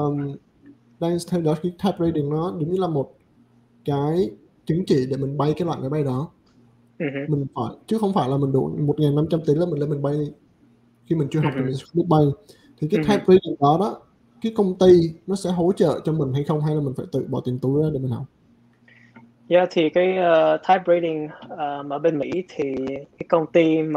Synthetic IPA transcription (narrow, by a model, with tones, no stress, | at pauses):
ʔəː˨˩m | ɗaː˧nst̪ʰɛ˧wɗɔ˨˦xiː˨˦t̪ʰa˦˥p̚ɹe˧ɗi˨˩əŋɗɔ˨˦ɗʊ˨˦ŋ͡mɲɨ˧laː˨˩mo˨˩t̚ | kaː˨˦j | t͡ɕï˨˦ŋt͡ɕḭ˧˨ɗe˧˩mï˨˩ŋ̟ɓa˧jkaː˨˦jlwa̰˧˨jmaː˨˦jɓa˧jɗɔ˨˦˨ | mï˨˩ŋ̟faː˧˩jt͡ɕɨ˨˦˥xə˧wŋ͡mfaː˧˩jlaː˨˩mï˨˩ŋ̟ɗṵ˧˩mo˨˩t̚ŋaː˨˩nːa˧mt͡ɕa˧mt̪i˨˦laː˨mi̟˨˩le˧mï˨˩ŋ̟ɓa˧jɗi˧ | xi˧mi˨˩ŋ̟t͡ɕɨ˧əɦa˨˩k͡p̚t͡ɕɔ˨˧mi˨˩ŋs̚ɓi˦˥t̚ɓa˧j | t̪ʰi˨˩kaː˨˦t̪ʰaː˦˥p̚ɹə˧jɗi˨˩ŋɗɔ˨˦ɗɔ˨˦ | kaː˨˦jkə˧wŋ͡mt̪i˧nɔ˨˦sɛ̰˧˥ɦo˨˦t͡ɕə̰ː˧˨t͡ɕɔ˧mï˨˩ŋ̟ɦa˧jxə˧wŋ͡mha˧jlaː˨˩mï̟˨˩faː˧˩jt̪ɨ̰˧˨ɓɔ̰˧˩t̪i˨˩t̪u˨˦jɗɔ˨˦ɗe˧˩mi˨˩ŋhɦɔ˨˩wk͡p̚ | za˧˨t̪ʰi˨˩kaː˨˦jəː˧˩t̪ʰaː˦˥p̚ɹe˧jɗi˨˩ŋəː˨˩mʔəː˧˩ɓe˧nmḭ˧˥t̪ʰi˨˩kaː˨˦jkə˧wŋ͡mt̪i˧m˨˩